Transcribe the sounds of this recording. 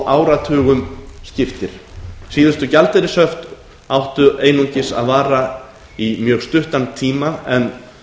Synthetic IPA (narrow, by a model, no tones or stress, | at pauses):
ʔaːwɾat̪ʰœːɣʏmscɪft̪ɪɾ̥siːðʏst̪ʏcalt̪ɛɾɪsœft̪ | awht̪ʏʔeːjnuɲcɪsa̰ðvaːɾa | imjœːɣst̪ʏht̪ant̪ʰiːmaɛn